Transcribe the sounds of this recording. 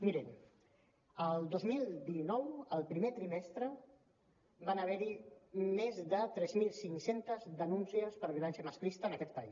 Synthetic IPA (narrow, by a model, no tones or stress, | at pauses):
miɾem | əlˠd̪ozmilˠd̪inɔwəlˠpɾimet̪ɾimɛst̪ɾə | banəβɛɾimezðət̪ɾɛzmilˠsiŋsent̪əzd̪ənunsiəspəɾβjlɛnsəməsklist̪əːnəkɛt̪̚pəis